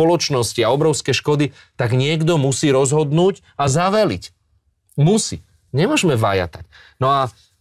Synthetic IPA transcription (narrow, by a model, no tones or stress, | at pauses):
ɔlɔt͡ʃnɔsciaɔbɾɔʊskɛʃkɔd̪i | t̪aɡɲɪɛɡd̪ɔmusiːɾɔzɦɔd̪nuːɟ | azaʋɛlic | musḭː | ɲɛmʊɔʒmɛʋa̰ja̰t̪ac | nɔa